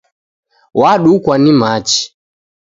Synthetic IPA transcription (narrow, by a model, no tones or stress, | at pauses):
waɗukwanimat͡ʃi̥